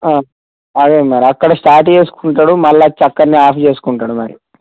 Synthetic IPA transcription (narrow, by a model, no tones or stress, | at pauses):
aː | ɐɡemaɾiɐkːɐɽɐsʈaːɾʈt͡ʃe̞ːsu̥kuɳʈaːɽumɐlːat͡ʃɐkːɐnːiaːpʰt͡ʃe̞ːsu̥kuɳʈaːɽumɐɾḭ